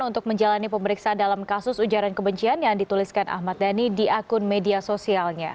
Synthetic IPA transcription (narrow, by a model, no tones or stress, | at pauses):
unt̪ʊk̚məɲd͡ʒalanipəməɾiksadalamkasʊsud͡ʒaɾankəbəɲt͡ʃianjaŋdit̪uliskanʔa̰hmat̪̚danidiʔakʊnmediasosialɲa